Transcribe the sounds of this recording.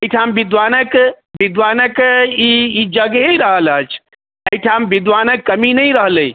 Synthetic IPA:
əjʈʰambid̪ʋanək | bid̪ʋanəkiid͡ʒəɡɦeɾəɦələt͡ʃʰ | əjʈʰambid̪ʋanəkːəminəjɾəɦləj

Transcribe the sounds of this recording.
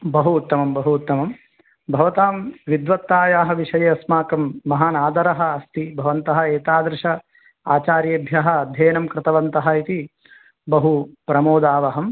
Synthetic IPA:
bɐɦuːt̪ːɐmɐmbɐɦuːt̪ːɐmɐm | bʱɐʋɐt̪aːmʋid̪ʋɐt̪ːaːjaːɦɐ̆ʋiʂɐjɐɐsmaːkɐmːɐɦaːnaːd̪ɐɾɐɦɐ̆ɐst̪ibʱɐʋɐnt̪ɐɦɐeːt̪aːd̪ɾɪʂɐ | aːt͡ʃaːɾjɐbʱjɐɦɐ̆ɐd̪ʱjeːnɐmkɾɪt̪ɐʋɐnt̪ɐɦɐit̪i | bɐɦupɾɐmoːd̪aːʋɐɦɐm

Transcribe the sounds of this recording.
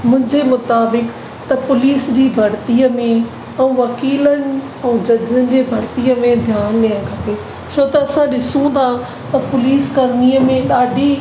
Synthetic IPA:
mʊ̃ɦɪ̃ɲd͡ʑemʊt̪aːbɪk | t̪ɐpʊliːsd͡ʑiːbʱɐɾt̪iəmẽ | ɛ̃ũʋɐkiːlənɪ̆ | ɛ̃ːd͡ʑɐzənɪ̆d͡ʑeːbʱɐɾt̪iəmẽd̪ʱjaːnɗeə̃kʰɐpe | t͡ɕʰoːt̪ɐɐsãɗɪsũd̪a | t̪ɐpʊliːskɐɾniːəmẽɗaːɖʱi

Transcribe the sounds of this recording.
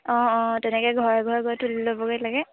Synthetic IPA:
ɔ̃tɛnɛkɛɡʱɔɹɡʱɔɹɡʱjtulilobɔkɔjlaɡɛ

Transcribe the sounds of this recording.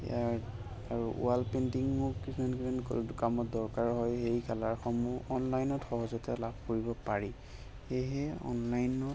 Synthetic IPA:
ḛjaɹ | aɹuṵalpentiŋːuisʰmanɡimankkamɔt̚dɔɹkaɹɦɔjɦejkalaɹxɔmuɔnlajnɔtxɔɦɔzɔtialabʱkoɹibɔpaɹi | xejɦɛɔ̰nlajnɔt

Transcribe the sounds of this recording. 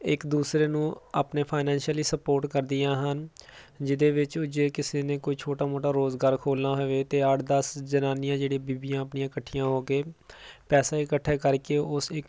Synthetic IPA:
ɪkd̪uːsɾeːnũːa̰ːpneːpʰaːnɛ̃ːnʃəliːsəpoːɾʈkəɾd̪ɪjãːɦənd͡ʒɪd̪eːʋɪt͡ʃʊd͡ʒeːkɪseːneːkoːiːt͡ʃʰoːʈaːmoːʈaːɾoːzɡaːɾkʰoːlnaːɦoʋeːt̪eːəʈd̪əsd͡ʒənaːnɪjãːd͡ʒeːɽibiːbiːjãːəpɳɪjãːkəʈʰːijãːɦoːkeːpɛːsaːɪkəʈʰːeːkəɾkeːʔʊsɪk

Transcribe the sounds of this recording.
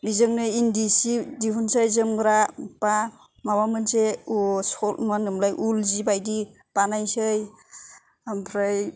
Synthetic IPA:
bizɯŋnɯindisidiɦunsajzɯmɡɾapa | mawamɯnseusɔlmanɯmlajʔulzibajdi | panajsɯj | ampʰɾaj

